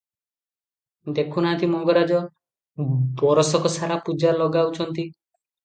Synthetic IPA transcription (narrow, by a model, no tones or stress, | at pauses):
d̪ekʰunat̪ʰimɔɡɔɾad͡ʒɔ | bɔɾɔsɔkɔsaɾapud͡ʒalɔɡawt͡ʃʰɔnt̪i